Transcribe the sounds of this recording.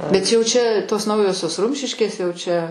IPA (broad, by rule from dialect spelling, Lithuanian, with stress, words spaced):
bʲɛt ˈjɛʊ ˈt͡ʃʲɛ toːs ˈnɐʊjoːsʲoːs ˈrʊmʲʃʲɪʃʲkʲeːs jɛʊ ˈt͡ʃʲɛ